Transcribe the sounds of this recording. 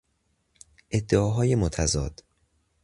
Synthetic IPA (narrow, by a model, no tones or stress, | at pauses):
ʔe̞d̪ːeɒːɦɒːje̞mot̪ʰæzɒ̰ːd̪̥